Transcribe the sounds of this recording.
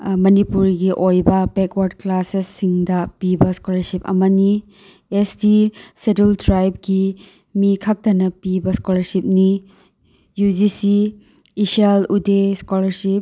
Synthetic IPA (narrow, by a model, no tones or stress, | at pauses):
mɐnipuɾɡiʔojbɐpekwaɾdklasesːiŋdɐpibɐskolɐɾsip̚ɐ̰mɐni | esdisedultɾajb̚ɡi | mikʰɐk̚tɐnɐpibɐskolɐɾsip̚ni | jud͡ʒisi | isialudeskolɐɾsip̚